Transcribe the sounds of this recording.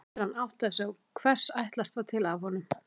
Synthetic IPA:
t̪ɪɾ̥hanawht̪asawkʰvɛr̥sajht̪last̪vat̪ʰɪlavhɔnʏm

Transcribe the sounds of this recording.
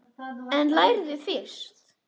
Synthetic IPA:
ɛ̃nlajɾðʏfɪst̪

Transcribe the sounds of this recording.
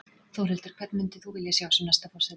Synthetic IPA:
θowɾɛlt̪ɪɾ̥kʰv̥ɛt̪nmʏnt̪ɪθuvɪljasjawsɛmnɛst̪afɔsɛ

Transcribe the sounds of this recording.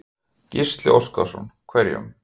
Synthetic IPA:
cɪst̪lɪoskasɔnkʰvɛɾjʏ̰m

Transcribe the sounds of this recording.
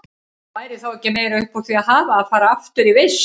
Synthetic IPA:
vaːjɾɪθawɛhcːɪmeːjɾaʏhpawθiaðɦaːvaːðfaːɾaaft̪ʏɾives

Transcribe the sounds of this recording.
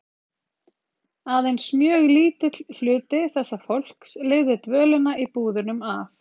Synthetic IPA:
aðejnsmjœːɣliːt̪ɪl̥ʏːt̪ɪθɛsːafowl̥kslɪɣðɪt̪vœːlʏnaʔipuːðʏnʏmaf

